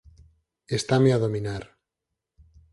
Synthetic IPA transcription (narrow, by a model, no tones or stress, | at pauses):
est̪ameaðominaɾ